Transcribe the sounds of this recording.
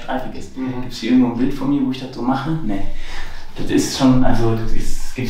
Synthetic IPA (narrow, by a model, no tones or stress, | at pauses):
fʁ̥aɪfɛɐɡ̥ɛsn̩ɡ̥iːptsʔɪɡŋ̩tvoːnvɪltfɔnmiːɐvoːɪçd̥atz̥oːmaχənə | d̥atɪ̰stʃoːnʔa̰lzodatɪsɡ̥i